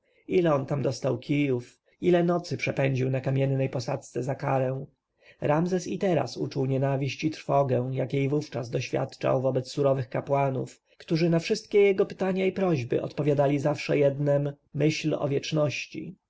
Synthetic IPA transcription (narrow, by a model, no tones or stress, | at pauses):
ilɛɔnt̪amd̪ɔst̪awkʲʰijuf | ilɛnɔt̪sɘpʂɛpɛɲd͡ʑiwnakamʲjɛnːɛjpɔsat̪st̪sɛzakaɾɛ̃w̃ | ɾamzɛsit̪ɛɾa̰sṵt͡ʂuwɲɛnavʲiɕt͡ɕit̪ɾfɔɡɛw̃jakʲjejvuft͡ʂazd̪ɔɕfʲja̰t̪t͡ʂa̰wvɔbɛt̪ssuɾɔvɘxkapwanṵf | kt̪uʐɘnafʂɘst̪̚kʲɛjɛɡɔpɘ̥t̪aɲaipɾɔʑbɘ̰ʔɔ̰t̪pɔvʲjad̪alʲizafʂɛ̰jɛd̪nɛmː | ɘɕlɔ̰vʲjɛt͡ʂnɔɕt͡ɕḭ